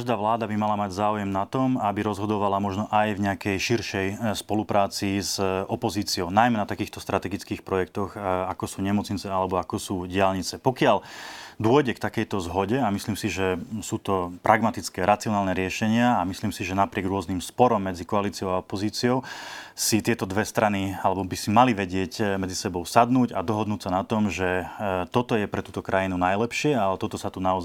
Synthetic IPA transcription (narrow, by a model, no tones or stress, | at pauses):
aʒd̪aːʋlaːd̪abimalamaɟzaːujɛmnat̪ɔmabiɾɔzɦɔd̪ɔʋalamɔʒnɔʔajvɲɛakɛjʃiɾʃɛjspɔlupɾaːt͡sizɔpɔziːt͡siɔʊnajmɛnat̪akiːxt̪ɔst̪ɾat̪ɛɡit͡skiːxpɾɔjɛkt̪ɔɣakɔsuːɲɛmɔt͡sɲit͡sɛalɛbɔakɔsuːɟɪalɲit͡sɛpɔkɪald̪ʊɔjɟɛkt̪akɛjt̪ɔzɦɔɟɛamisliːmsiʒɛsuːt̪ɔpɾʔaɡmat̪it͡skɛːɾat͡siɔnaːlnɛɾɪɛʃɛɲɪaamisliːmsiʒɛnapɾɪɛɡɾʊɔznimspɔɾɔmːɛd͡zikɔaliːt͡siɔʊaɔpɔziːt͡siɔʊsit̪ɪɛt̪ɔd̪ʋɛst̪ɾanialɛbɔbisimaliʋɛɟɪɛcmɛd͡zisɛbɔʊsad̪nuːɟad̪ɔɦɔd̪nuːcsanat̪ɔmʒɛt̪ɔt̪ɔjɛpɾɛt̪uːt̪ɔkɾʔajinunajlɛpʃɪɛalɛt̪ɔt̪ɔsat̪unaɔz